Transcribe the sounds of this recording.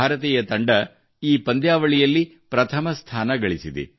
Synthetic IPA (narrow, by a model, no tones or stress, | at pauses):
aːɾɐt̪ɛːjɐt̪ɐɳɖɐ | iːpɐnd̪jaːʋɐɭijɐlːi | pɾɐt̪ʰɐmɐst̪ʰaːnɐɡɐɭisid̪ḭ